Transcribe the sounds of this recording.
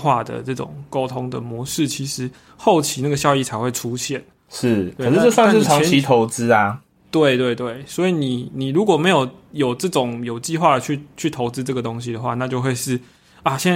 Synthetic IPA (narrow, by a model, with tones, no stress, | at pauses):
xwa˥˩d̪ə̰˩ʈ͡ʂɤ˥˩ʈ͡ʂʊ̰˨˩ŋko˥ʊt̪ʰo˥ŋd̪ə̰˨mwɔ˧˥ʂɻ̩˥˩t͡ɕʰi˧˥ʂɻ̩˧˥ | xo˥˩ʊt͡ɕʰi˧˥˦na˥˩ɡə˩ɕ̬jɑ˥˧ʊi˥˩t͡sʰa˧˥ɪxwe˥˩ɪʈ͡ʂʰu˥˦ɕjɛ˥˩n | ʂɻ̩ʰ˥˩we˥˨˧ʂɻ̩˥˧ʈ͡ʂɤ˥˧swa˥˧ŋ˥ʂɻ̩ʰ˥˩ɑ˧˩˥ɛ˧i˧˥t̪ʰo˧˥ʊt͡sɹ̩˥a˧ | t̪we˥˩ɪt̪we˥˧ɪt̪we˥˩ɪswɔ˧˥i˨˩ni˨˩ni˨˩ɻu˧˥kwɔ˨˩me˧˥ɪjo˨˩ʊjo˨˩ʊʈ͡ʂɤ˥˩ʈ͡ʂʊ˨˩˦ŋjo˨˩ʊt͡ɕi˥˧xwa˥˩d̪ə˩t͡ɕʰy˥˩t͡ɕʰy˥˩t̪ʰo˧˥ʊt͡sɹ̩˥ʈ͡ʂɤ˥˩ɡə˩t̪o˥ŋɕi˨d̪ə˩xwa˥˧na˥˧t͡ɕjo˥˧ʊxwe˥˧ɪʂɻ̩˥˩ | a˥˩ɕjɛ˥˧n